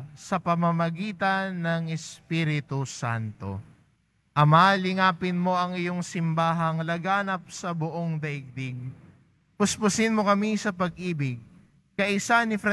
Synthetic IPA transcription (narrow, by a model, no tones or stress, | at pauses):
sɐpɐmɐmɐɡiːt̪ɐnːɐŋɛspiɾɪt̪usa̰nt̪o̞̰ | ʔɐmalɪŋaːpɪnmo̞ʔɐŋɪjo̞ŋsɪmbaːɦɐŋlɐɡaːnɐp̚sɐbʊʔoŋd̪ɐʔɪɡ̚d̪ɪɡ̚ | pʊspʊsɪnmo̞kɐmisɐpɐɡ̚ʔiːbɪɡ̚ | kɐʔɪsanɪfɾɐ